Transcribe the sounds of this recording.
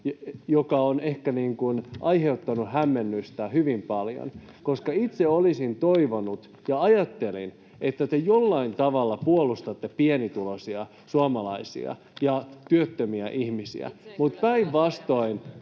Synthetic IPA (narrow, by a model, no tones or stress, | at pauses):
jokɑonehkæniːŋkunʔɑiheut̪ːɑnuhɦæmːenːyst̪æhyʋimpɑljo̰n | koskɑit̪seolisint̪oiʋonut̪ | jɑɑjɑt̪ːelḭn | et̪ːæt̪ejolːɑint̪ɑʋɑlːɑpuolːˑust̪ɑt̪ːepienit̪ulosiɑ | suɑmɑlɑisḭɑ̰ | jɑt̪yøt̪ːømiæʔihmisḭæ̰mut̪pæiʋʋɑst̪o̞in